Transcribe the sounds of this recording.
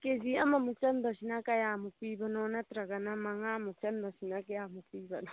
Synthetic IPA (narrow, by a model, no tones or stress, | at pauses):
keziɐmɐmut͡ʃɐnd̪ɐʃinakɐjaːmupiːbɐnoːnɐt̪ɾɐɡɐnɐmɐŋamut͡ʃɐnd̪ɐʃinɐkjaːmupiːbɐno